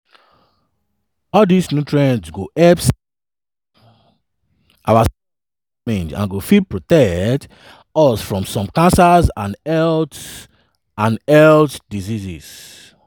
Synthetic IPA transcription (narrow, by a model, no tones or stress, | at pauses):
ɔldisnjutʰɹɛ̃ndsɡoʔɛps | ʔawas | ĩnd͡ʒã̰nɡofid̚pɹotɛkkt | ɔsfɹɔ̃msɔ̃mkãnsazãnɛlt | ãnɛltdiziziz̥